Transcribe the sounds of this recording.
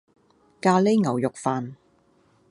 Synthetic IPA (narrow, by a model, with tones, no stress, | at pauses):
kaː˧le˥ŋɐ˨˩wjʊ˨k̚faː˨˧n